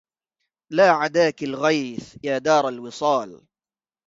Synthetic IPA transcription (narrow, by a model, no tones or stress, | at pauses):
laːʕad̪aːkalɣajθjaːd̪ɑːɾˤalwɨsˤɑːl